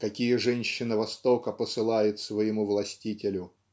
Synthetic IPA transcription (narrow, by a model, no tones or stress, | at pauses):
kɐkʲijəʐɛnʲɕːɪnɨvɐst̪okəpəsɨlˠajʊt̪svəjɪmuvlˠɐsʲtʲitʲɪlʲʊ